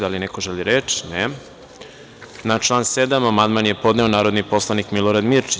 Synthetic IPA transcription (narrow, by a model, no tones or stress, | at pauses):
d̪alinekoʒeliɾet͡ʃi̥ne | nat͡ʃlˠaːnsed̪amamand̪manje̞po̞d̪neonaːɾo̞d̪nipo̞slˠanikmilˠoɾad̪miɾt͡ʃi̥